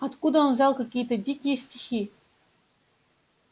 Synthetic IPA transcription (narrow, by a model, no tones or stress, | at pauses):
ɐt̪kud̪əonvzɑlˠkakʲijət̪ədʲikʲɪjəsʲtʲixʲi